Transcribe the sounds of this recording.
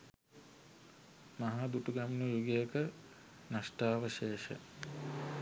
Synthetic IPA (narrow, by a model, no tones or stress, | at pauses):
maɦad̪uʈuɡamnujuɡejəkə | nasʈaːʋəʃeːʃə̰